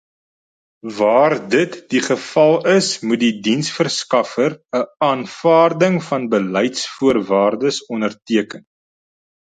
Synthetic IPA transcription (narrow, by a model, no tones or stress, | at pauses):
vɑːrdətdiχəfɐlˠəsmut̚didinsfərskɐfərəɑːnfɑːrdəŋfɐnbəlɛjtsfuərvɑːrdəsɔnərtiəkən